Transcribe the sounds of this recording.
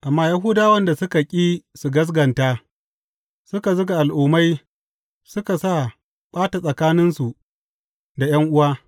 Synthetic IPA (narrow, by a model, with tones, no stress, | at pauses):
ʔa˨mːaː˦ja˦ɦuː˦daː˦wɐ˦nda˨sʊ˦ka˨kʲʼiː˦su˨ɡɐ˦s̬ɡɐ˨nta˦ | sʊ˦ka˨zʊ˦ɡa˨ʔa˨lʔuː˦ma˦j | sʊ˦ka˨sa˦˨ | ɓʼaː˦ta˨sʼɐ˨kaː˦nɪ˦nsu˨ | da˨jɐ˦ŋʔʊ˦waː˦